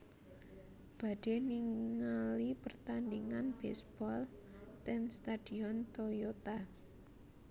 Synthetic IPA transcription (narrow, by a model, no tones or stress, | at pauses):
b̥a̤d̥e̤niŋalipərt̪andiŋanb̥ɛsb̥ɔlt̪ɛnst̪ad̥i̤ɔnt̪ojot̪a